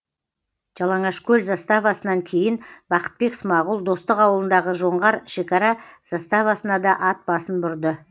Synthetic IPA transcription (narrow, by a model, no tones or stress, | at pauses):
ʒ̥ɑlˠɑɴɑʃkʲʰɵlzɑst̪ɑvɑsənɑŋkʲʰe̞jɪnbɑqə̥t̪̚be̞ksmɑʁʊlˠd̪o̞st̪əqɑwəlˠənd̪ɑʁəʒo̞ɴʁɑɾʃe̞kɑɾɑz̥ɑst̪ɑvɑsənɑd̪ɑʔɑt̪̚b̥ɑsənbʊɾd̪ə